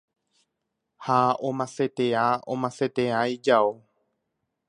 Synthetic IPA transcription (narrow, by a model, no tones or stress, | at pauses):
haõmãse̞t̪eaõ̰mãse̞t̪eaid͡ʒao